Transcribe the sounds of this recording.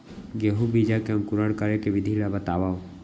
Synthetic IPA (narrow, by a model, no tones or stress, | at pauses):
ɡeɦubid͡ʒakeamkuɾaɽkəɾekeʋid̪ʱilabat̪aʋa